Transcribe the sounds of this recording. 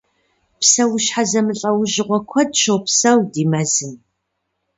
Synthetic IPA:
psɐwʊɕħazɐmɨɬʼɐwʊʑɪʁʷɔkʷʰɔdʃowpsɐwdiːmɐzɨm

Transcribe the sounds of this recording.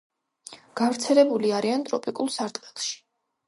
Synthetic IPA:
ɡ̥avɾt̪sʰɛlɛbuliaɾiant̪ʼɾɔpʼikʼulˠsaɾt̪ʼqʼɛlˠʃi̥

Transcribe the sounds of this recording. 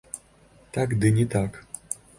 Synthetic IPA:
t̪akd̪ɨnʲɛt̪ak

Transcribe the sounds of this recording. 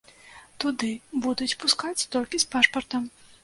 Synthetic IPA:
t̪ud̪ɨbud̪ut͡sʲpuskat͡sʲt̪ɔlʲkʲispaʂpɐrt̪ɐm

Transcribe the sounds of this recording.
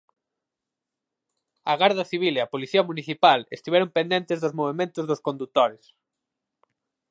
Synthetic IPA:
ɐɣaɾðɐθiβ̞ileɐpoliθiɐmuniθipalḛst̪iβɛɾompend̪ẽnt̪ezðʊzmoβ̞emẽnt̪ʊzðʊskõnd̪ut̪oɾes

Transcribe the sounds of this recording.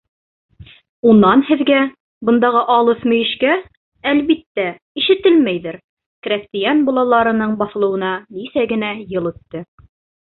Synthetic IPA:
unːɑnhɘ̆ðɡæ | bɤ̆nd̪ɑʁɤʔɑlˠɤθmɵ̆jɘ̆ʃkæ | ælβit̪ːæ | iʃɘ̆t̪ɘlmæjðɘɾ | krʲæst̪ijanbulˠɑlˠɑɾɤ̆nɤɴbɑθɤ̆lˠɤ̆wɤ̆nɑnisæɡɘ̆næjɤlˠɵ̆t̪ːɘ

